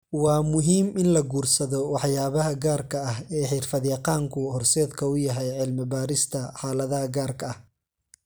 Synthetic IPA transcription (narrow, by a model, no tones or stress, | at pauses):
wɑːmʊɦiːmɪnlɐɡuːrsɐðɔwɑħjaːβɐɦɐɡaːrkʰɐɐɦɛːħiːrfɐðjɑqɑːŋkʰʊhɔrsɛːd̪kʰɐʊjɐɦɛjʕɪlmɪbaːɾɪst̪ʰɐħɑːlɐðɐɦɐɡaːrkʰɐɐh